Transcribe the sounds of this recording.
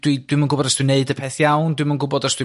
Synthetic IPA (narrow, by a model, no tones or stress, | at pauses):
d̥wid̥wɪɨmənɡʊbɔdɔsd̥wineɨdəpʰɛθjawndwɨmanɡʊbɔdɔsd̥w